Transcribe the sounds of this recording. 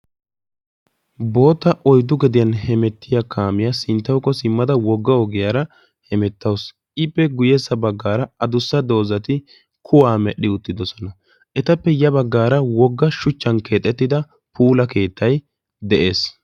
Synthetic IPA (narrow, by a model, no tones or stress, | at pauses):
bo̞ːt̪ːɐʔɔjd̪ʊɡɛd̪ɪjɐnhɛmɛt̪ːɪjakʰaːmɪjasɪnt̪ːɐwkːɔsɪmːɐd̪ɐwɔɡːɐɔɡɪjaːɾɐ | hɛmɛt̪ːɐws | ʔɪpːɛɡʊjɛsːɐbɐɡːaːɾɐɐd̪ʊsːɐd̪o̞ːzɐt̪ɪ | kʰʊwaːmɛɗɪʊt̪ːɪd̪ɔsɔnɐ | ʔɛt̪ɐpːɛjɐbɐɡːaːɾɐwɔɡːɐʃʊt͡ʃːɐnke̞ːt̪ʼːɛt̪ːɪd̪ɐ | puːlɐke̞ːt̪ʰːɐj | d̪ɛʔe̞ːs